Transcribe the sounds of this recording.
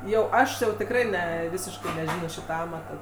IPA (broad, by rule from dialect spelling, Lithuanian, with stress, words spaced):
jɛʊ ˈɐʃ jɛʊ tʲɪkˈrɐɪ ˈnʲɛ ˈʋʲɪsʲɪʃkɐɪ nʲɛˈʒʲɪnoː ˈʃʲiːtɐ ˈɑːmɐtɐ